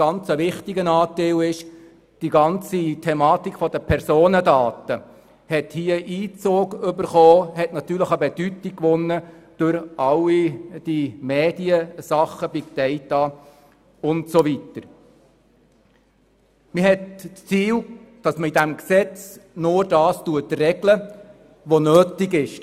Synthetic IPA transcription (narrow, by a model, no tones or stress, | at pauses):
ɑnt͡səʋɪχtiɡənɑːtelɪʃ | d̥iɡɑnt͡sitʰɛmɑːtikfɔd̥əpʰɛɾsoːnədɑːtə | hɛthiəʔiːt͡soːɡʏbəɾχoːhɛtnɑt̪yːɾləχəbɛd̥ytikːʋʊnːəd̥ʊɾɑlid̥imeːd̥iəsɑχəb̥ɪkt̪ɛɪtɑ | ʊntsoʋitəɾ | mɪhɦɛtst͡siːld̥ɑsməidæmksɛt͡snʊɾdɑːstuətrɛɡlə | ʋonøːtɪɡɪʃ